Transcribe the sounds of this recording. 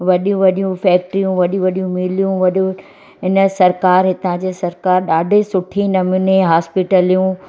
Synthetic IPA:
ʋɐɗjũʋɐɗijũfɛːk̚ʈɾijũʋɐɗjũʋɐɗijũmɪlijũʋɐɗũ | ɦɪnə̆sɐɾkaːɾɦɪt̪ãd͡ʑeːsɐɾkaːɾɗaːɖʱesʊʈʰinɐmɪneɦaːspiʈəlijũ

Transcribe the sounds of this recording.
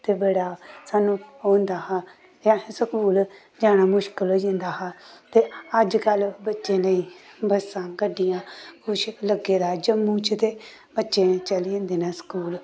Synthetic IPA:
t̪eːbeːɽaːsaːnũːoːnd̪aːɦãː | jãːsəkuːl | d͡ʒaːñaːmʊʃkəlɦoːd͡ʒẽːnd̪aːɦãːt̪eːəd͡ʒkəlbətːʃẽːnəĩːbəsãːkəɖɪjãːkʰʊʃləɡeːd̪aːd͡ʒəmːũːt͡ʃt̪eː | bətːʃẽːt͡ʃəliẽːnd̪eːnɛːsə̥kuːl

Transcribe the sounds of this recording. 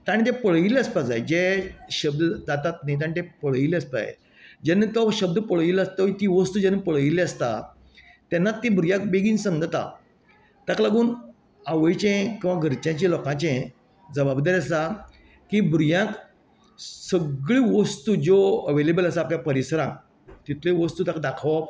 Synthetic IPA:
t̪aɽit̪epəɭ̤ileəspad͡zajd͡ʑeɕəb̚d̪əd͡zat̪at̪najt̪̬aɳĩt̪epəɭ̤ileəspa̰jḛ | d͡ʑanːit̪ɔɕəb̚d̪əpəɭʋilast̪ɔit̪iʋəst̪uːd͡ʑanːipəɭilɛ̃əst̪a | t̪anːat̪ːibʱɾujãk̚beɡiːnsə̃nd̪ʱət̪a̰ | t̪ãklaɡuːn | aʋəjt͡ɕẽkĩw̃ʋaɡʱəɾt͡ɕãt͡ɕẽlɔkãt͡ɕẽ | d͡zəbabd̪aɾiəsa | kibɾujãk | səɡɭiʋəst̪ud͡zoəʋelebələsaːpljapəɾisəɾãk | t̪it̪ʰlẽʋəst̪uːt̪akd̪akʰʋ

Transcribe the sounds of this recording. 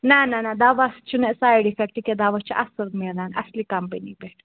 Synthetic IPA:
nananad̪aʋast͡ʃunɛsajɽifɛk̚ʈikɛd̪aʋast͡ʃʰiʔɐsəɾmenanɐ̰slikɐmpənibɛʈʰ

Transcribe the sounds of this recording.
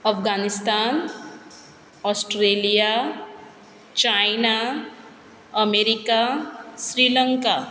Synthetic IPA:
ʌpʰɡanist̪an | ɔsʈɾelija | t͡ʃajna | ʌmeɾikasɾilʌŋka

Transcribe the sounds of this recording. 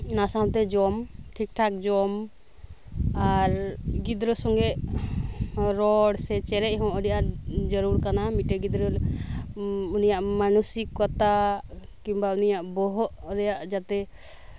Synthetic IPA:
nasawt̪ɛd͡ʒɔmʈʰik̚ʈʰak̚d͡ʒɔm | aɾɡid̪ɾɔsɔŋɡɛʔ | ɾɔɽsɛt͡ʃɛɾɛc̚ˀɦɔ̃ʔəɽijʔad͡ʒəɾuɾkanamiʈɛɡid̪ɾɔ | unijaʔmanusikːɔt̪a | kimbaunijaʔbɔɦɔʔɾɛjaʔd͡ʒat̪ɛ

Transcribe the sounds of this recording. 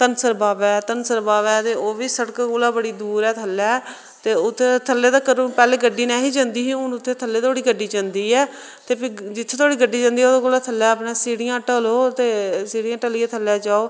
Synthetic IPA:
t̪ənsəɾbaːʋɛːt̪ənsəɾbaːʋɛːt̪eːoːʋiːsəɽkːkoːlaːbəɽiːd̪uːɾɛːt̪ʰəlːɛː | t̪eːʊt̪ʰːeːt̪ʰəlːeːd̪aːkəɾũːpɛːleːɡəɖːiːnɛ̃ːɦiːd͡ʒãnd̪iːɦĩːʊnʊt̪ʰːeːt̪ʰəlːeːt̪ʰoːɽiːɡəɖiːd͡ʒãːnd̪iːɛː | t̪eːpid͡ʒɪt̪ʰːeːt̪ʰoːɽiːɡəɖːiːd͡ʒãːnd̪iːoːd̪aːɡoːlaːt̪ʰəlːɛːəpnẽːsiːɽɪjãːʈəloːt̪eːsiːɽɪjãːʈəlɪãːt̪ʰəlːɛːd͡ʒaːoː

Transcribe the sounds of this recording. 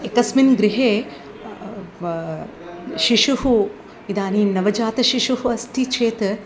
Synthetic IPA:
ekɐsminɡɾiɦeː | ʃiʃuhu | id̪aːniːnɐʋɐd͡ʒaːt̪ɐʃiʃuɦuɐst̪ʰit͡ʃʰeːt̪

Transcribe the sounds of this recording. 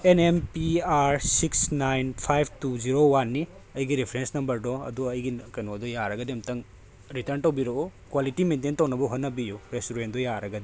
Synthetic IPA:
enempiaɾsiksnajnpʰajb̚ʰʱtuziɾowanːi | ɐjɡiɾipʰɾensnɐmbɐɾdɔɐ̰duɐjɡikɐjnodɔjaɾɐɡɐdimtɐŋ | ɾitɐɾntɐwbiɾookwalitimententɐwnɐbɐɦotnɐbijuɾestuɾendɔjaɾɐɡɐdi

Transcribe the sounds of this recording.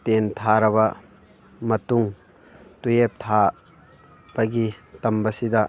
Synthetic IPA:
tent̪ʰaɾɐbɐ | mɐtuŋ | tujep̚t̪ʰa | b̥ɐɡitɐmbɐsidɐ

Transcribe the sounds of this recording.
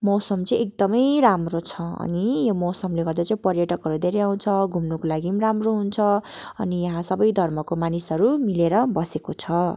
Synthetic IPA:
mʌsʌmt͡sʌĩek̚d̪ʌmʌjɾamrot͡sʰʌʌ̰nijomʌwsʌmleɡʌrd̪at͡saĩpʌrjʌʈʌkɦʌɾud̪eɾeãw̃t͡sʰʌɡʱumnukolaɡimramroɦunt͡sʰʌ | ʌ̰nijʌɦãsʌbʌjd̪ʱʌrmʌkomanisɦʌɾumileɾʌbʌsekot͡sʰʌ

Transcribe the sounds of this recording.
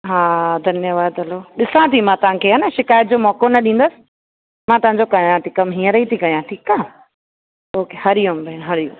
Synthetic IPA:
ɦaːd̪ʱɐnjəʋaːd̪ɐloɗɪsãt̪ʰimãt̪ɐʋ̤ãkʰeːɦɐnɐʃɪkaːjət̪̚d͡ʑoːmɔːkonɐɗĩːn̆d̪əsɪ̥̆ | mãt̪ɐʋ̤ãɲd͡ʑokɐjãt̪ʰikɐmɦĩːə̃ɾɐɦit̪ʰikɐjãʈʰiːkaː | oːkehɐɾɪjumbʱɐɪñɦɐɾijũ

